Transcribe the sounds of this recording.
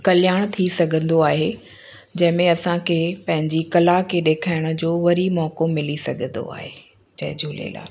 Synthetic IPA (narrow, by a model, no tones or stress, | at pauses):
kɐljaːɽ̃t̪ʰisɐɡʱə̃nd̪oaːɦe | d͡ʑɐ̃ɦɪ̃mẽɐsãkʰeːpɐ̃ɦɪ̃ɲd͡ʑikɐlakʰeɗeːkʰaːɪɽ̃ʊ̆d͡ʑoːʋɐɾimɔːkomɪlisɐɡʱə̃nd̪o̰a̰ːɦe | d͡ʑɐ̰ɦɪ̃d͡ʑʱuːlḛla̰ː